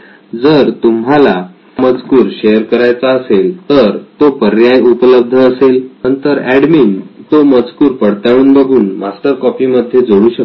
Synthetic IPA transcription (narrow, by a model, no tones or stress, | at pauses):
d͡zəɾt̪umɦala | mət͡skuːɾɕejəɾkəɾajt͡saəselt̪əɾt̪opəɾjajupələb̚d̪ʱəːselnənt̪əɾæɖmiːnt̪oməd͡zkuːɾpəɽt̪aɭ̃uːnbəɡʱuːnmasʈ̪əɾkɔpiməd̪ʱːjed͡zoɽuːɕək